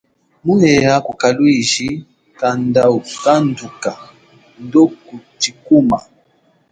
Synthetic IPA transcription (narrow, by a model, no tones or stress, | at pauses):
muhɛakukalwiʒi | kandausanduka | ndokutikuma